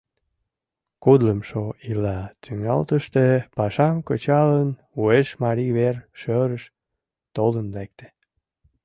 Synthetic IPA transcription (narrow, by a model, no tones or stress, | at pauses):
kud̪ləmʃoilɑt̪yŋɑ̰lt̪əʃt̪epɑʃɑmkot͡ɕɑlən | ueʃmɑɾiβerʃøɾəʃ | t̪olənlek̚t̪e̥